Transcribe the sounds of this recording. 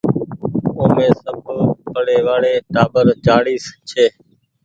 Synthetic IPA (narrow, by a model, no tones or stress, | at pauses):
oːmẽːsəbʱpəɽeːʋaːɽeːʈaːbəɾt͡ʃaːɽiːst͡ʃʰeː